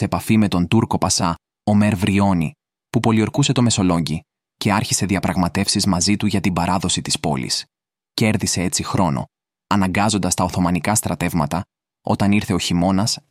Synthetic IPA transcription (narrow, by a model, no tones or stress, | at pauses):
seepɐfime̞t̪o̞nt̪uɾko̞pɐsɐ | o̞me̞ɾvɾio̞ni | pupo̞lio̞ɾkuse̞t̪o̞me̞so̞lo̞ɲɟi | ce̞ɐɾçise̞ðiɐpɾɐɣmɐt̪e̞fsizmɐzit̪uʝɐt̪ibɐɾʔɐðo̞sit̪i̥spo̞̰lḭs | ceeɾðise̞e̞t͡sixɾo̞no̞̰ | ɐnɐŋɡɐzo̞nd̪ɐst̪ɐoθo̞mɐnikɐst̪ɾɐt̪e̞vmɐt̪ɐ | o̞̰t̪ɐniɾθe̞o̞çimo̞nɐs